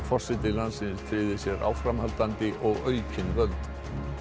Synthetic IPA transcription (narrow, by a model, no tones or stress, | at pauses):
fɔr̥sɪt̪ɪlansɪnsfʰɾɪðɪsjɛɾʔa̰wfɾamhalt̪ant̪ɪʔɔɣœːɥcʰɪnvœlt̪